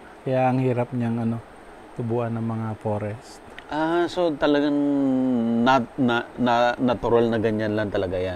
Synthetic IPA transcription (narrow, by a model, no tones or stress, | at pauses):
kɐjaʔɐŋhiːɾap̚ɲaŋɐno̞ | t̪ʊbuʔɐnːɐŋmɐŋafoːɾɛst̪ʔasot̪ɐlɐɡaŋ | nanananɐt̪ʊɾalnɐɡɐɲanlant̪ɐlɐɡajan